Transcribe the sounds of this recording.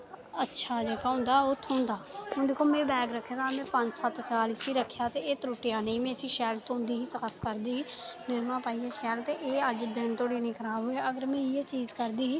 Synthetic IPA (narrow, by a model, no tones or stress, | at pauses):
ətːʃʰaːd͡ʒeːkaːɦʊ̃ːnd̪aːʊt̪ʰːõːnd̪aːɦʊːd̪eːkʰːoːmɛ̃ːbɛːɡɾəkʰːet̪aːmɛ̃ːpəɲd͡ʒsət̪saːlɪsiːɾəkʰːjaːt̪eːeːt̪ɾuːʈɪjaːnẽiːmẽːəsĩːʃɛːlt̪õːnd̪iːɦiːsəkəpʰkəɾd̪iː | nɪɾmãːpaːiːeːʃɛːlt̪eːʔeːəd͡ʒd̪ɪnt̪oːɽiːnĩːkʰəɾaːboːeːəɡəɾmɛ̃ːiːeːt͡ʃiːzkəɾd̪iː